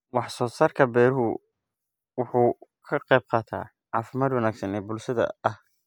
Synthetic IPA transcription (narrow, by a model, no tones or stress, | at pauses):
wɑħsɔːsaːrkʰɐbɛːɾʊɦʊ | wʊħuːkʰɐqɛjb̚qɑːt̪ʰa̰ː | ʕɑːfɪmaːd̪wɑnaːɡsɐnɛːbʊlʃɐðɐ̰ɐh